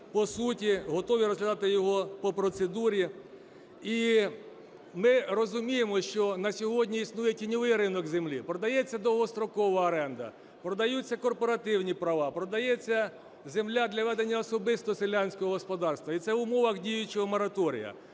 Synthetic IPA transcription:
pɔsutʲiɦɔt̪ɔʋʲiɾɔzɦlʲɐd̪ɑt̪ɪjɔɦɔpɔpɾɔt̪sed̪uɾʲi | i | mɪrɔzʊmʲijemɔʃt͡ʃɔnɐsʲɔɦɔdʲnʲiisnujɛtʲinʲɔʋɪjɾɪnɔkzemlʲipɾɔd̪ɐjɛt͡sʲːɐd̪ɔɦɔst̪ɾɔkɔʋɐɐɾɛnd̪ɐ̰ | pɾɔd̪ɐjut͡sʲːɐkɔrpɔɾɐt̪ɪwnʲipɾɐʋɑpɾɔd̪ɐjɛt͡sʲːɐ | zemlʲad̪lʲɐʋɛd̪enʲːɐɔsɔbɪst̪ɔselʲːanʲsʲkɔɦɔɦɔspɔd̪ɑrst̪ʋɐit̪sɛʋʊmɔʋɐxdʲijʊt͡ʃɔɦɔmɔɾɐt̪ɔɾʲḭjɐ̰

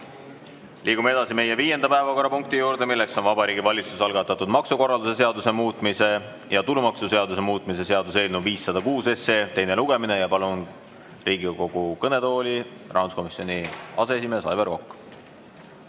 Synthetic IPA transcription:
lʔiːɡ̥umeed̪̥ɑsime̞jeviːje̞nd̪ɑpæevɑko̞rːɑpuŋk̚t̪ijuːɾd̪e̞milːe̞kso̞nvɑbɑɾiːɡ̥ivɑlʲit̪susɑlɡ̥ɑt̪ːˑɑt̪ːˑud̪mɑksuko̞rːɑld̪use̞s̬e̞ɑd̪use̞muːt̪ːˑmise̞ | jɑt̪ulumɑksuse̞ɑd̪use̞muːt̪ːˑmise̞se̞ɑd̪use̞ːlnuviːsːɑd̪̥ɑkuːse̞se̞ːt̪e̞jne̞luɡ̥e̞mine̞jɑpɑlun | riːɡiko̞ɡ̥ukɤne̞t̪o̞ːlʲi | rʔɑwnsko̞misˑo̞nʲiɑ̰se̞esimesɑ̰jve̞ɾvo̞kːˑ

